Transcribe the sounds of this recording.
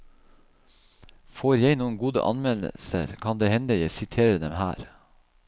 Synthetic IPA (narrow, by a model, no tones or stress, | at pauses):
foːɾjæɪnuːənɡuːd̪ə̰ʔɑ̰nmɛlə̰sə̰ɾkʰɑnd̪eːhɛnd̪əjɛsɪt̪ʰeːɾəd̪ɛmhæ̰ːɾ